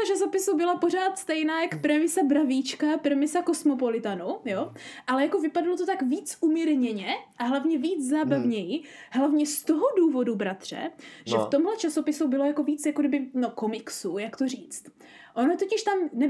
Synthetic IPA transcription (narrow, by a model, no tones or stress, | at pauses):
ot͡ʃaso̞pɪsubɪlapor̝aːt̪st̪ɛjnaːjakpɾɛmɪsabɾaviːt͡ʃkapɾɛmɪsako̞smo̞p̬olɪt̪anujoʔalɛjako̞vɪpadalot̪ot̪akviːt͡sʔumiɾɲɛɲɛʔaɦlavɲɛviːd͡zzaːbavɲɛjɪ | ɦlavɲɛst̪oɦoduːvo̞dubɾat̪r̝̥ɛ̰ʒɛft̪o̞mɦlɛt͡ʃaso̞pɪsubɪlojako̞viːt͡sjakodɪbɪnokomɪksujakt̪oriːt͡st̪ | ʔo̞not̪ocɪʃt̪amnɛ